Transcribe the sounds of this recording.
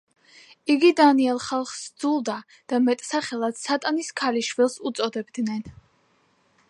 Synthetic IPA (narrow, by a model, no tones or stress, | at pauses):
iɡid̪aniɛlˠχalˠχsd̪zulˠd̪a | d̪̥amɛt̪ʼsaχɛlˠad̪sat̪ʼaniskʰaliʃvilˠsut̪sʼɔd̪ɛbd̪nɛn